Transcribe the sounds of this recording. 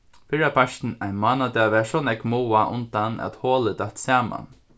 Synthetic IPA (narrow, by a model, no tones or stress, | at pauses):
fɪɾapʰaʃt̪n̩aɪnmaːnad̪aʋɛːʂɔnɛkmuːaʔʊ̰nt̪anʔæ̰t̪hɔːlət̪at̪saːma̰n